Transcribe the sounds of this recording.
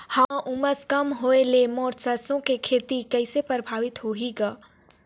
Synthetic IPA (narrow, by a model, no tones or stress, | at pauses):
haʔʊməskɐmɦoːelemɔːɾsɐsõkekʰeːt̪ikɛɪsepɾəbʱaːʋɪt̪ɦoːɦiɡaː